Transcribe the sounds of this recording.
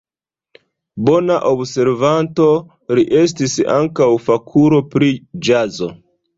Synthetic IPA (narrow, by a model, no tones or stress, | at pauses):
bo̞naʔobse̞ɾvanto̞ | ɾiʔe̞s̬tisa̰ŋkawfakʰuɾo̞pɾid͡ʒazo̞̰